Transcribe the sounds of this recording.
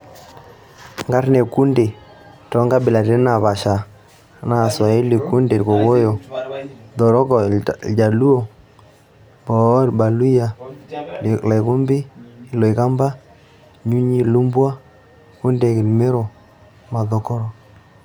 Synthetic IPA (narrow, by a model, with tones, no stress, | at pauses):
ŋɡa˦ɾne˨ku˦nde˨ | tɔ˦ŋɡa˦bɪ˨la˨ɾe˦na˨βa˨ʃa˨˦ | na˦˨swa˨i˦li˨ku˦nde˨ɾko˨ko˦jo˨ | dɔ˨ɾɔ˦kɔ˨d͡ʒa˨lu˦o˨ | bɔ˨˦˨ɾba˨lu˦ja˨ | la˨jku˦mbɪ˦i˨lo˨i˨ka˦mba˦ | ɲu˦ɲi˦lu˦mbwa˦ | ku˦nde˨kɪ˨lme˦ɾo˨ | ma˨dɔ˨kɔ˦ɾɔ˨